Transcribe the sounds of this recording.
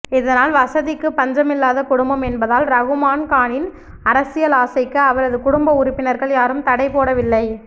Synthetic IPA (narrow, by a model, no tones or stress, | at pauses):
ɪðɐnaːlʋɐsɐðɪkːɯpɐɲd͡ʒɐmɪlːaːðɐkʊɽʊmbɐmɛnbɐðaːlɾɐɣɯmaːnkaːɳɪn | ɐɾɐsɪjɐlaːsɐɪkːɯɐʋɐɾɐðɯkʊɽʊmbɐʊɾʊpːɪnɐɾɣɐɭjaːɾɯmt̪ɐɽɐɪpoːɽɐʋɪlːɐɪ